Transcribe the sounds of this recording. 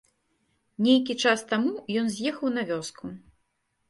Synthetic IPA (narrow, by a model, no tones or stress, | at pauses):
nʲejkʲit͡ʂast̪amujɔnzʲjɛxɐwnɐvʲɔskʰu